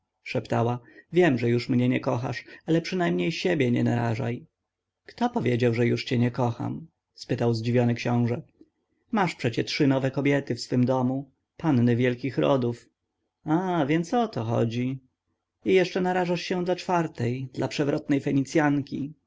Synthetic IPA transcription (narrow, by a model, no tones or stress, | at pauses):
ʂɛpt̪awavʲjɛmʐɛjuʂmɲɛɲɛkɔxa̰ʂalɛpʂɘnajmɲejɕebʲjɛɲɛ̰naɾa̰ʐa̰j | kt̪ɔpɔvʲjed͡ʑawʐɛjuʂt͡ɕɛɲɛkɔxa̰m | spɘt̪awzd͡ʑivʲjɔnɘkɕɔ̃w̃ʐɛ | maʂpʂɛt͡ɕɛtʂɘnɔvɛkɔbʲjɛt̪ɘfsfɘmd̪ɔmu | panːɘvʲjɛlkʲixɾɔ̰d̪uf | avʲjɛnt̪sɔt̪ɔxɔ̰d͡ʑi | ijɛʂt͡ʂɛnaɾaʐaʂɕɛd̪lat͡ʂfaɾt̪ɛjd̪̥lapʂɛvɾɔt̪nɛjfɛɲit̪sʲjaŋkʲi